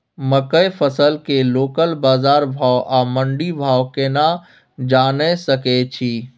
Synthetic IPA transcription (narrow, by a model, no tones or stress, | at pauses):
məkəjfʰəsəlkeloːkəlbaːzaːɾbʱaːwʔaːmə̃ɳɖibʱaːwkena | d͡ʒaːnesəket͡ʃʰiː